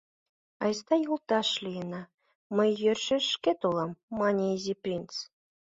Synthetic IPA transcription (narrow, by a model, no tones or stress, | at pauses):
ɑjst̪ɑjulˠt̪ɑʃlʲijnɑ | məjːørʲʃɘ̆ʃket̪ulˠɑmːɑnʲeizʲiprʲint͡s